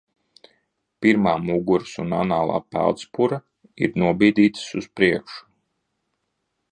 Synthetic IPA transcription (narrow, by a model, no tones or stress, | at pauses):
piɾmaːmuɡuɾsuna̰naːlˠa̰ːpæ̰lˠt̪spuɾa | ḭɾnuɔbiːd̪iːt̪suspɾiɛkʃu̥